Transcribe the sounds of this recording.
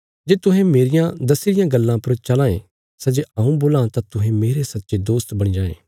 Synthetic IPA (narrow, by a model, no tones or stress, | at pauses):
d͡ʒeːt̪ʊɦɛ̃meːɾɪjãd̪ɐsɪɾɪjãɡɐlːãpɐɾt͡ʃɐlãːẽ | sɛd͡ʒeɐũboːlãt̪at̪ʊɦẽmeːɾesɐtːʃed̪oːst̪bɐɽ̃id͡ʒaːḛ̃ː